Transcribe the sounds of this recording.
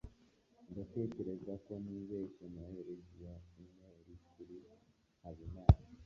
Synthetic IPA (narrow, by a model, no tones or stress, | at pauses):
ndate̞ːce̞ɾe̞zako̞niːβeːsonaheɾezijaumŋeɾikuɾi | haβimaːna